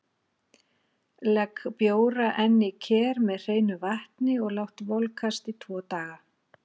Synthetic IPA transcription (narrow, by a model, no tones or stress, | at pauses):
lɛkpjoːwɾaʔɛnːɪcʰɛːɾmɛðr̥eːjnʏvaht̪nɪɔɣlawht̪vɔlkʰast̪it̪ʰvɔːt̪aːɣa